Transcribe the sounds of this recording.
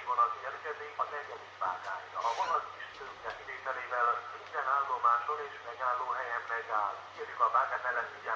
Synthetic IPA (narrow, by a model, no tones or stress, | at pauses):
vonɒzeːrkɛzeːɒnɛɟɛd̪ikvaːɡ̪aːjiːvɔlɒsiʃt̪øːk̪ɛsid̪eːt̪ɛleːvɛlsint̪ɛnaːlːomaːʃoɾeːʃmɛɡaːlːoːɦɛjɛmmɛɡaːlkeːrjykɒvaːɡ̪aːt̪ɛlɛt̪uɟa